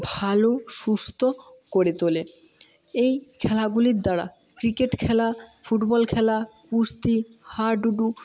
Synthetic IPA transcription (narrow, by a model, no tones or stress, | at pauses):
bʱaloʃust̪ʰo | koɾet̪ole | ejkʰɛlaɡuliɾd̪aɽa̰ | kɾikeʈkʰɛlafuʈbɔlkʰɛlakust̪ihaɾɖuɖu